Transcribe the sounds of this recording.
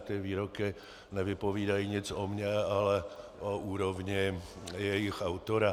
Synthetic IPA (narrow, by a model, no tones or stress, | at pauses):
t̪ɛːʋiːɾɔkɪ | ɲɛʋɪpɔʋiːd̪ajiɲɪd͡zɔmɲaalɛ | ɔuːɾɔvɲɪjɛjixaʊt̪ɔɾa